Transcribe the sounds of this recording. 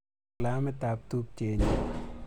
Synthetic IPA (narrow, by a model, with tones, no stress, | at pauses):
la˦mɛt̪ap̚t̪u˦p̚t͡ʃe˨ɲ